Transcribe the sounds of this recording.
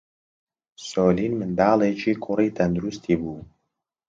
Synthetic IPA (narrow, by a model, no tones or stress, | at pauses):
soːliːnmɨnd̪aːlˠet͡ʃʰiːkʰʊriːt̪ʰɐnd̪uɾust̪ʰiːbuː